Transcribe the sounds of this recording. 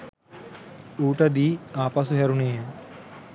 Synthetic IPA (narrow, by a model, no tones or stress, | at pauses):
uːʈəd̪iːaːpas̬uɦɛɾuneːjə